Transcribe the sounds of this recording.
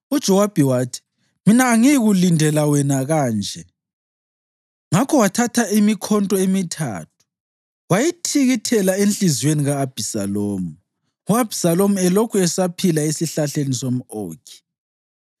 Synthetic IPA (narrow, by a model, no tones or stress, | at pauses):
ud̥ʒ̥ʱɔwab̥ʱɛwaːtʰi̥ | minaːŋijiɣulindʱɛlawɛnaɣaːnd͡ʒʱɛ | ŋakʰɔwatʰatʰaimikʰɔntʼɔemitʰa̰ːtʰu̥ | wajitʰiɣitʰɛlaenɬizweniɣaːb̥ʱisaloːmu | uab̥ʱi̥salomuɛlokʰuɛsapʰilaesiɬaɬenisom̩oːkʰi̥